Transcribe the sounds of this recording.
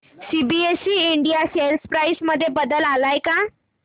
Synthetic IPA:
sibiesiːiɳɖijaselspɾajsməd̪ʱːjebəd̪əlalajka

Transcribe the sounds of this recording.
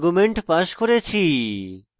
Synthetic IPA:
ɡumeɳʈpaʃkoɾet͡ɕʰi

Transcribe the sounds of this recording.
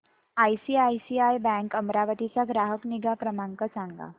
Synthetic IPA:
ajsiajsiajbɛ̃ŋkəmɾaʋət̪it͡saɡɾaɦəkniɡapɾəmaŋkəsãŋɡa̰

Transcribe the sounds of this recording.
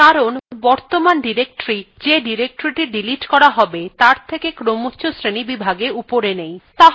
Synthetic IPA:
aɾonbɔɾt̪omanɖiɾek̚ʈoɾi | d͡ʑeɖiɾek̚ʈoɾiʈiɖiliʈkɔɾaɦɔbet̪aɾt̪ʰekekɾomotːɕʰosɾenibibʱaɡeupoɾenejt̪aɦ

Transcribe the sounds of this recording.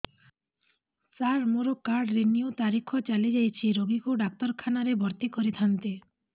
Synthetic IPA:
saɾmoɾokaɾɖɾeniut̪aɾikʰɔt͡ʃalid͡ʒajt͡ʃʰiɾoɡikuɖak̚t̪ɔɾkʰanaɾebʱɔɾt̪ikɔɾit̪ʰant̪e

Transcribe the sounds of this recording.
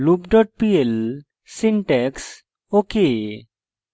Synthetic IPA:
lupɖɔʈ̚piel | siɳʈeks | oke

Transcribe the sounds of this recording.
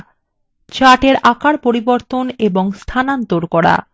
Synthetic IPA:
t͡ɕaʈeɾakaɾpoɾiboɾt̪oneboŋst̪ʰanant̪oɾkɔɾa̰

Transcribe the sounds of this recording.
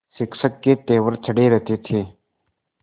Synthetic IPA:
sɪksəkːet̪eːʋəɾt͡ʃʰəɽeːɾət̪eːt̪ʰeː

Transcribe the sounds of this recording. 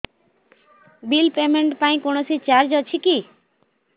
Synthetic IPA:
bilpemeɳʈpaĩkonosit͡ɕaɾd͡ʒɔt͡ɕʰiki

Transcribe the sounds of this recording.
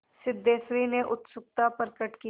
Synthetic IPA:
sɪd̪ːeːsɾineʔʊt̪sʊk̚t̪apəɾkəʈki

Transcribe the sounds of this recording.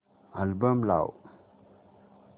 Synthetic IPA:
albəmla̰w

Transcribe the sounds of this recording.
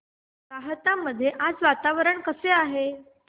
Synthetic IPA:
ɾaɦət̪amːəd̪ʱːjeʔad͡zʋat̪aʋəɾəɳkəseaɦe

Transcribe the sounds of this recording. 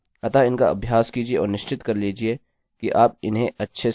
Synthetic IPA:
ɐt̪aɪnkaɐ̰bʱjaːskiːd͡ʒieʔɔ̰ːɾnɪʃt͡ʃɪt̪kɐɾliːd͡ʒie | kiʔaːp̚ɪnɦẽʔɐtːʃʰe

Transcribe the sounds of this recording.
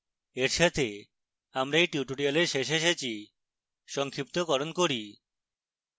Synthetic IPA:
eɾʃat̪ʰe | amɾaejʈuʈoɽialeɾʃeʃeʃet͡ɕʰi | ʃɔŋkʰɾip̚t̪okɔɾonkoɾi

